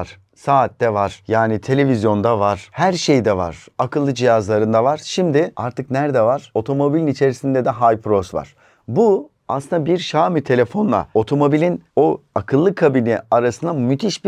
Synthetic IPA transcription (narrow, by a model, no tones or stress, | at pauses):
ɾ̥ | saːt̪ːɛvaɾ̥jaːnit̪ʰe̞lʲe̞vizjo̞nd̪avaɾ̥hæɾʃejd̪ɛva̰ɾ̥akʰɯlˠːɯd͡ʒijazlˠaɾɯnd̪avaɾ̥ʃimd̪ɪaɾt̪ʰɯknæɾd̪ɛvaɾ̥o̞t̪ʰo̞mo̞bilʲinit͡ʃʰe̞ɾisind̪ɛd̪ɛɦajpɾo̞sva̰ɾ̥ | bu | aslɯnd̪abiɾʃaːmit̪ʰe̞lʲe̞fo̞nlˠa̰o̞t̪ʰo̞mo̞bilʲinoakʰɯlˠːɯkʰabinɛ̰aɾasɯnd̪amyt̪ʰiʃb